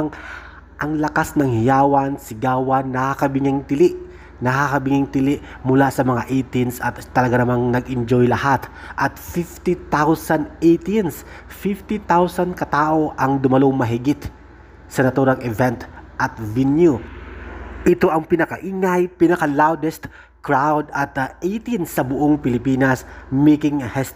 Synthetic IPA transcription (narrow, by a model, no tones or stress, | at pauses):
ŋ | ʔɐŋlɐkasnɐŋhɪjaːwɐnsɪɡaːwɐnːɐhakɐbɪŋɪŋt̪ɪlɪʔ | nɐhakɐbɪŋɪŋt̪ɪlɪʔ | mʊlasɐmɐŋaʔet̪ɪnsɐt̪t̪ːɐlɐɡanɐmaŋnɐɡʔɪnd͡ʒojlɐhat̪ | ʔɐt̪fift̪it̪awsɐnd̪ejt̪nsfift̪it̪awsɐnkɐt̪aːʔo̞ʔɐŋd̪ʊmɐloŋmɐɦɪɡɪt̪ | sɐnɐt̪uːɾɐŋɛvɛnt̪ʔɐt̪̚vinju | ʔɪt̪o̞ʔɐŋpɪnɐkɐʔiŋajpinɐkɐlawd̪ɛst̪ | kɹawd̪ɐt̪ʔejt̪insɐbʊʔoŋpɪlɪpiːnɐsmekɪŋhɛs